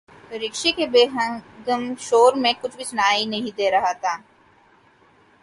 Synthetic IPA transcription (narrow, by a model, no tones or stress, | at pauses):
ɾɪkʃekebeːɦə̃ɡəmʃoːɾmẽkʊt͡ʃʰbʱisʊnaːinɐɦĩd̪eːɾɐɦat̪ʰaː